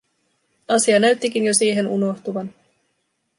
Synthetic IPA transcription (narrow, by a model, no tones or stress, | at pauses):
ɑsiɑnæɥt̪ːik̟injo̞siːɦe̞nuno̞ht̪uʋɑn